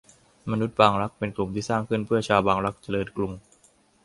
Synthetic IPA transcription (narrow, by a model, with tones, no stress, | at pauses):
ma˧nu˦˥t̪̚baː˧ŋɾa˦˥k̚pe˧nklu˨˩mt̪ʰiː˥˩saː˥˩ŋkʰɯ˥˩npʰɯ˥˩ɐt͡ɕʰaː˧wbaː˧ŋɾa˦˥k̚t͡ɕa˧lɤː˧nklu˧ŋ